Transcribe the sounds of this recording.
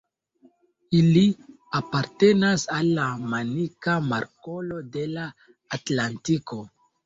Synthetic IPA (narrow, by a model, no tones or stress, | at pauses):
ili | apaɾte̞nasalːamanikamaɾko̞lo̞de̞laː | tlantiko̞